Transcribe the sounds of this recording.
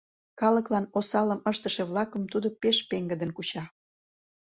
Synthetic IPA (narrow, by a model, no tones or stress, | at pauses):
kɑləklɑnosɑləməʃt̪əʃeβlɑkəmt̪ud̪opeʃpeŋɡəd̪ənkut͡ɕɑ